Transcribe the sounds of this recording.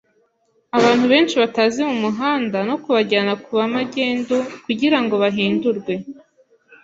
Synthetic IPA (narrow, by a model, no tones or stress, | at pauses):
aβaːn̥huβe̞ːnt͡ʃiβataːzimumuɦaːndano̞kuβaɟaːnakuβamaɟe̞ːndukuɟiɾaŋɡo̞βaɦiːnduɾɡwe̞